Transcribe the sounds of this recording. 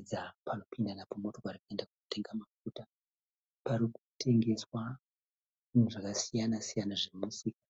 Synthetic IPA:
d͡zapʰano̞pʰindanapomoto̞kaɾikue̞ndakuote̞ŋɡamafuːta | pariku̥tʰe̞ŋɡe̞swa | nuʐakasijanasijanaʐe̞musiːkḁ

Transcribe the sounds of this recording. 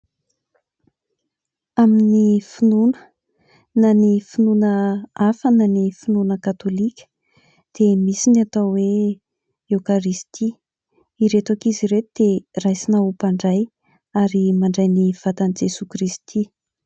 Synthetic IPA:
aminifinunə̥ | nanifinunəafənanifinunəkat̪olikʲə̥ | d̪̥emisinat̪awwe | ewkaɾist̪ʰi | iɾet̪akiziɾet̪ud̪̥erajsinaupaɳɖ͡ʐaj | aɾimaɳɖ͡ʐajniv̥at̪anid͡ʒesukɾist̪ʰi

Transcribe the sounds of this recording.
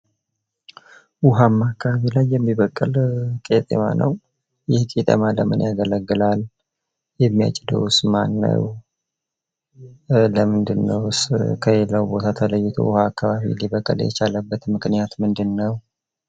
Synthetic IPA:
wʊɦamːakːaβaβilajːɛmːiβəkʼːɨlkʼet̪ʼḛma̰nʔə̰w | jɪhkʼit̪ʼə̰maləmɨnjaɡələɡːɨlal | jɛmːija̰t͡ʃʼɪd̪ə̰wsmanːə̰w | ləmɨnd̪ɨnːə̰wskʰəelːəwbo̞t̪ʰat̪ʰələjːɪt̪ʰo̰wʊhaːkːaβaβḭliβəkʼːəljɛt͡ʃaləbːət̪mɨknijat̪mɨnd̪ɨnːəw

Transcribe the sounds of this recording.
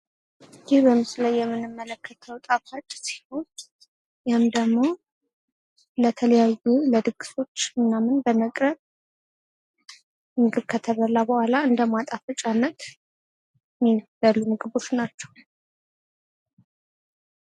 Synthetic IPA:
jɪhbəmɨslajːɛmːɨnːɨmːələkʰːət̪ʰəwt̪ʼafat͡ʃʼːsi̥ho̞n | jɛhɨmd̪əɡmːo̞ | lət̪ʰələjajuləd̪ɨɡɨso̞t͡ʃːɨnːamɨnbəməkʼɾəβ | mɨɡɨβkʰət̪ʰəβəlːabəhʷalaɨnd̪əmat̪ʼafət͡ʃʼanːət̪ | mibəlːumɨɡɨβo̞t͡ʃːnat͡ʃːɛ̥w

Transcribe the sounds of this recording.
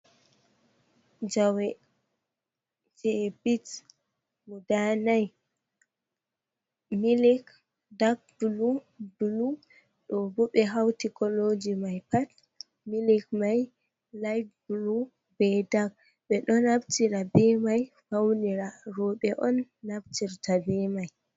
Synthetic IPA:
d͡ʒawɛ | d͡ʒɛbit | mudanaj | milik | dak̚dulu | dulu | ɗɔbɔɓɛɦawtikɔlod͡ʒimajpat | milik̚maj | lajfdulu | bɛdaɡ̚ | ɓɛɗɔnabtiɾabɛmajfawniɾaɾɔɓɛʔɔnːabtiɾtabɛmaj

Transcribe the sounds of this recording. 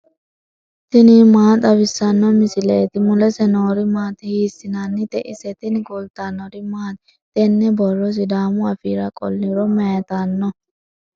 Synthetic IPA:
t̪ɪnɪmaːt̪ʼɐbɪsːɐnːɔmɪsɪleːt̪ɪmʊlɛsɛnoːɾɪmaːt̪ɪhiːsːɪnanːɪt̪ɛʔɪsɛt̪ɪnɡʊlt̪anːɔɾɪmaːt̪ | t̪ɛnːɛbɔrɔs̬ɪd̪aːmʊɐfiːɾɐkʼɔ̰lːɪɾɔmɛjɐt̪anːɔ

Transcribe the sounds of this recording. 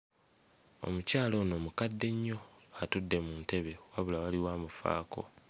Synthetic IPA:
o̞̰mucaːlo̞ːno̞ːmukadːe̞ɲːo̞atudːe̞muːnte̞βe̞waβulawaliwaːmufa̰ːko̞̰

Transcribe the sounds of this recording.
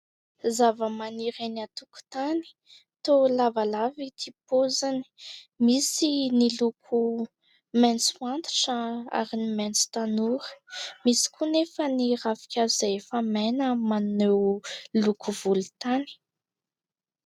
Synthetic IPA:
zavəmaniɾenat̪uku̥t̪ani̥ | t̪olavalavit̪ʰipozani̥misinilukʰu | mɛnt͡swant̪i̥ʈ͡ʂəa̰ɾinimɛnt͡su̥t̪anuɾə̥misi̥kunefənirafi̥kʰʲazefamɛnəmannewlukuvulut̪ani̥

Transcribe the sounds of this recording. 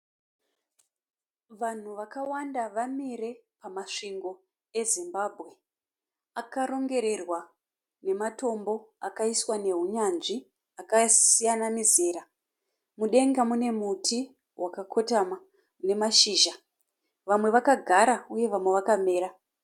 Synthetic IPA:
ʋan̤uʋakawandaʋamire̞pamaʂiŋɡo̞ | e̞zimbabʱɣe̞ | akaɾo̞ŋɡe̞ɾe̞rwa | ne̞mato̞mbo̞akaiswane̞ɦuɲanʐi | akasijanamizeːɾa | muɗe̞ŋɡamune̞mutʰi | wakakʰo̞tama | une̞maʃiːʒa | ʋamwe̞ʋakaɡʱaɾauje̞ʋamwe̞ʋakame̞ːɾa

